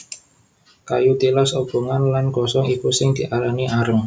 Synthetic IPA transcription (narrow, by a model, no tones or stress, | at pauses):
kajut̪ilɔsob̥ṳŋanlanɡ̥ɔsɔŋipusɪŋd̪̥iʔalaŋiʔaɾəŋ